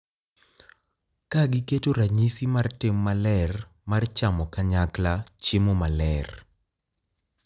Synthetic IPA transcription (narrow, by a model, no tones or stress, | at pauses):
kaɡɪketoɾaɲisimartemːalɛr | mart͡ʃamɔkaɲaklat͡ʃɪmomalɛr